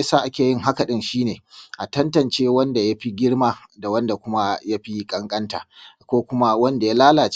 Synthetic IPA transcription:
saː˦ʔa˦kʲeː˨jɪ˦ŋɦa˦ka˨ɗɪ˦nʃiː˦neː˨ʔa˨tɐ˦ntɐ˨nt͡ʃeː˦wɐ˦nda˨ja˦ɸi˦ɡʲɪ˦ɽmaː˦da˨wɐ˦nda˨kʷʊ˦ma˦ja˦ɸi˦kʼɐ˦ŋkʼɐ˦nta̰ː˨kʷoː˦kʷʊ˦ma˦wɐ˦nda˨ja˦laː˦laː˨t͡ʃ

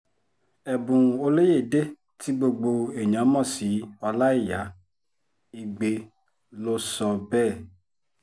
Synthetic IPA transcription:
ɛ˨bũ˨o˧le˦je˦˨de˦ | ti˦ɡ͡bo˧ɡ͡bo˧e˨ɲã˨˦mɔ̃˦˨si˨˦ɔ˧la˦i˦˨ja˨˦ | i˧ɡ͡be˧ | lo˦sɔ˧bɛː˦˨

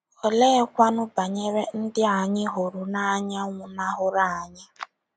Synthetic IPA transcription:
ɔ˨le˦kʷa˦nʊ˦ba˨ɲe˦ɾe˦n̩˦dɪ˦a˨ɲɪ˦ɦʊ˨ɾʊ˨na˦ɲa˦ŋʷʊ˨na˦ɦʊ˦ɾa˨a˨ɲɪ˦

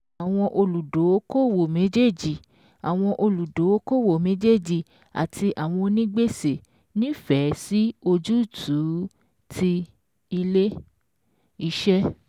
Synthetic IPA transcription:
a˨w̃ɔ̃˧ʔo˧lu˨do˨˦ko˦˨wo˨mẽ˨˦d͡ʒe˦˨d͡ʒi˨ | a˨w̃ɔ̃˧ʔo˧lu˨do˨˦ko˦˨wo˨mẽ˨˦d͡ʒe˦˨d͡ʒi˨ | a̰˨tʰi˧ʔa˨w̃ɔ̃˧nĩ˦ɡ͡be˦se˨ | nĩ˦fɛ˨˦si˦o˧d͡ʒu˦˨tʰu˨˦ | tʰi˧ | i˧le˦ | i˦ʃɛ˦

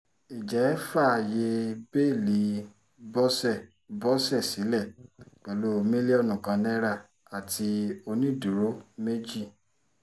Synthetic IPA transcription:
i˨d͡ʒɛ˨˦fa˦˨je˧be˦˨li˨˦ | bɔ˦sɛ˦˨ | bɔ˦sɛ˦˨si˨˦lɛ˦˨k͡pɛ˨lo˨˦˨me˦le˦ɔ˦˧nũ˨kã˨˧nɛ̃˦ɾa˦˨ | a˨tʰi˧o˧nĩ˦˨du˨ɾo˦me˦d͡ʒi˦˨

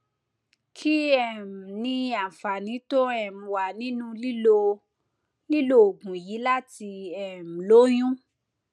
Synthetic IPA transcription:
kʰi˦ɛ˦˨m̩˨nĩ˧˦a˨fa˨nĩ˨˦to˦ɛ˦˨m̩̃˨wa˨nĩ˨˦nũ˦li˦lo˧ | li˦lo˦o˨ɡũ˨ji˨˦la˦ti˧ɛ˨m̩˨lo˦j̃ũ˦

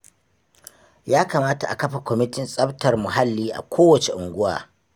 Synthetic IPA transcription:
jaː˦kaː˨maː˦ta̰˨ʔa̰˨kɐ˦ɸa˨kʷɔ˨mɪ˦tɪ˦nsʼɐ˦btɐ˨rmʊ˨ɦa˦lːiː˦ʔa̰˨kʷʰoː˦wɐ˨t͡ʃe˨ʔʊ˨ŋɡʷʊ˦wa̰ː˨

